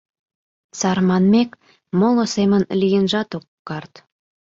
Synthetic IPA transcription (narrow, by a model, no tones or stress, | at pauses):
t͡sɑrmɑnmek | molŏsemənlijənʒɑt̪okːɑrt̪